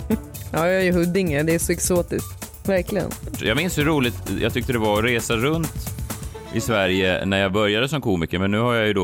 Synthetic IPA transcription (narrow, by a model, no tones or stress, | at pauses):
jɑːjæɾjɵɦɵd̪ːɪŋəd̪ɛæʂɔɛksoːt̪ɪst̪ | væɾklɪɡə̰njɑːɡmɪnshɵɾuːlɪt̪jɑ̰t̪ʰʏkt̪əd̪ɛvaɾɔɾeːsaɾɵnt̪ | ʔɪsvæɾjə̰næɾjabœɾjad̪əsɔmkʰuːmɪkəɾmɛnːʉ̟ːhaɾjajɵd̪o